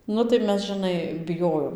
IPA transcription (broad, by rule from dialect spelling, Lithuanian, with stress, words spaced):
ˈnʊ tɐɪ ˈmʲɛs ʒɨˈnɐɪ bʲɪˈjoːjoːm